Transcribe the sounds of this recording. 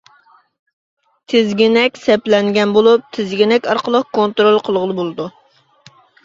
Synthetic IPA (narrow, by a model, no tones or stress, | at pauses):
t̪ʰɪzɡʲinɛkʲsɛplɛŋɡʲɛnbolˠup̚t̪ʰɪzɡʲinɛkʲɑɾqəlˠəqkʰont̪ɾolˠqʰəlˠʁəlˠɨbolˠɨd̪u